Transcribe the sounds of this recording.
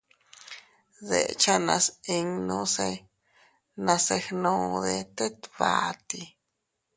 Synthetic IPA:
ðḛ˨t͡ʃa˦nã˧si˧ŋnõ˧se˧ | nã˧se˧hnõ˧ðe˧t̪e˦t̪βa˧t̪i˧

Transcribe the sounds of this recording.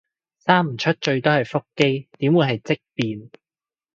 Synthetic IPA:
saː˥m̩˨˩t͡ʃʰɵ˥t̚t͡ʃɵ˧ɥt̪o˥whɐ˨jfʊ˥kːe˥jt̪iː˨˥mwuː˨˧jɦɐ˨jt͡sɪ˥k̚piː˨n

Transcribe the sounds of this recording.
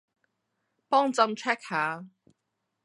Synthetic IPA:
pɔː˥ŋt͡sɐ˧mt͡ʃʰɛː˥k̚haː˨˥

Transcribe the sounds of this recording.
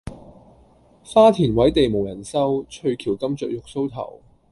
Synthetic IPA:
faː˥t̪ʰiː˨˩nwɐ˨˥jt̪e˨jmo˨˩wjɐ˨˩nsɐ˥wt͡ʃʰɵ˧ɥkʰiː˨˩wkɐ˥mt͡sœː˨˩k̚jʊ˨k̚so˥wt̪ʰɐ̰˨˩w

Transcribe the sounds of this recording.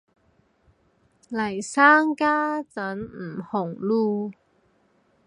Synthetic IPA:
lɐ˨˩jsaː˦˥ŋkaː˥t͡sɐ˨˦˥nm̩˨˩hʊ˨˩ŋluː˥˧

